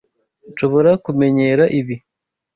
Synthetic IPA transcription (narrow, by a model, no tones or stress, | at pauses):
nʃo̞βo̞ɾakume̞ɲe̞ɾaʔiβi